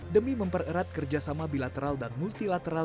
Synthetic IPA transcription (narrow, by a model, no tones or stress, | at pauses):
dəmiməmpərəɾat̪̚kərd͡ʒasamabilat̪əɾaldanmult̪ilat̪əɾa